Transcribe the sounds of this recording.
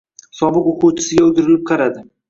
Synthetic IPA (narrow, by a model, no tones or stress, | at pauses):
sɒbɨqoqʰʊwt͡ʃʰɪ̥sɪɡʲaʊt̪ɪɾɪlɪp̚qʰɑɾad̪ɪ